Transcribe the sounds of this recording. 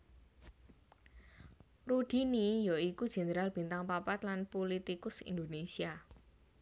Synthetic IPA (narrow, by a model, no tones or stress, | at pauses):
rud̪̥i̤nijɔikud̥ʒ̥e̤nəɾalb̥i̤nt̪aŋpapat̪lanpolit̪ikʊsḭnd̪onesia